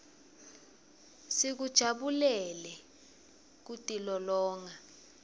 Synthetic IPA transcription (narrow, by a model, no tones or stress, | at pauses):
sik̬ud̥ʒ̥ʱaɓulɛlɛ | k̬utʼilɔlɔːŋa